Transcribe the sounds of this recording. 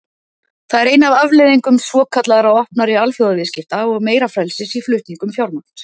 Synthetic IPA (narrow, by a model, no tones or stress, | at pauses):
θaðɛɾeːjnavavleðiŋkʏmsvɔːkʰat̪laðaɾawɔhpnaɾɪalfjowðavɪðscɪft̪aɔɣmeːjɾafɾɛlsɪsiflʏht̪niŋkʏmfjawɾman̥t̪